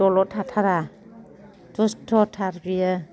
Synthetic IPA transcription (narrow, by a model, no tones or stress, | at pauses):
ɔlɔtʰatʰaɾa | tɔstʰɔtʰaɾbija